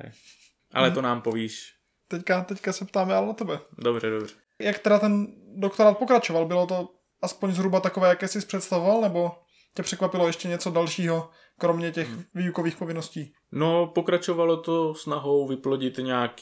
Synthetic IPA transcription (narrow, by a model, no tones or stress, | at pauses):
ɛ̰ | ʔa̰lɛt̪onaːmpoviːʃ | t̪ɛckat̪ɛckasɛpt̪aːmɛalɛnat̪ɛbɛdobrɛdobr̥ɛ | jakt̪ɛdat̪ɛndokt̪oɾaːt̪̚po̞kɾat͡ʃo̞valbɪlot̪o̞ | ʔaspoɲzɦɾubat̪akovɛːjakɛːsɪspr̥ɛt̪st̪avovalnɛbo̞ | cɛpr̝̥ɛkvapɪlojɛʃcɛɲɛt͡sodalʃiːɦo̞ | kɾomɲɛcɛxviːjukoviːxpovɪnosciː | nopokɾat͡ʃovalot̪osnaɦowvɪploɟɪt̪ɲaːk